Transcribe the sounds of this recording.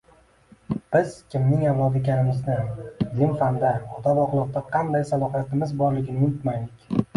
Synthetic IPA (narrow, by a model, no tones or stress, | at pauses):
b̥ɪz̥kʲɪmnɪŋavlˠɒd̪ɪkʲʰaɾɪmɪznɪlɪmfand̪aɒt̪ʰabɒqlˠɒq̚t̪aqʰɑnd̪ajsalˠɒhijat̪ɪmɪzbɒɾlɪɡʲɪnɪjʊt̪majd̪ɪkʲ